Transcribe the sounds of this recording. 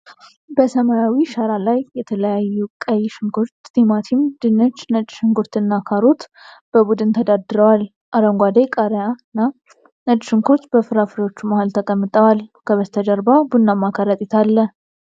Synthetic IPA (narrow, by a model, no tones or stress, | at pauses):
bəsəmajawiʃaɾalajːɛt̪ʰələjajːukʼəjːʃɪŋkuɾt͡ʃd̪imat̪ʰimd̪̥ɨnət͡ʃːnət͡ʃʼʃɨŋkuɾt̪ɨnːakʰaɾot̪b̥əbud̪ɨnt̪ʰəd̪ad̪ɨɾəwal | ʔaɾəŋɡʷad̪ekʼəɾjanːa | nət͡ʃʼʃɪŋkʰoɾt̪bəfɨɾafɨɾewo̞t͡ʃːumahalt̪ʰəkʼəmːɨt̪ʼəwalkʰəβəst̪ʰəd͡ʒəɾbabunːamakʰaɾat̪ʼit̪ʰalːə